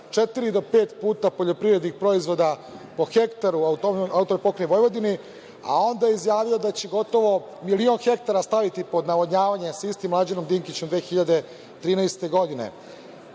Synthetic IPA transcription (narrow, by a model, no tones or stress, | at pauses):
t͡ʂe̞t̪iɾid̪o̞pe̞ːt̪puːt̪apo̞ʎo̞pɾiʋɾe̞d̪nixpɾo̞izʋo̞d̪apo̞xe̞kt̪aɾuaut̪oaut̪omipo̞kɾejʋo̞jʋo̞d̪ini | a̰o̞nd̪ajeizjaːʋio̞d̪at͡ɕeɡo̞t̪o̞ʋo̞ | milio̞nxe̞k̚t̪aɾast̪aʋit̪ipo̞d̪naʋoɲaːʋaɲe̞saist̪imlˠad͡ʑeno̞md̪iŋkit͡ɕemd̪ʋeːxiʎad̪e | t̪ɾiːnɛːst̪e̞ɡo̞d̪ine̞̰